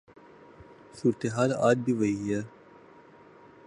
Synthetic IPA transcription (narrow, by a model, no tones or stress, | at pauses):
suːɾt̪eɦaːla̰ːd̪̚biʋəija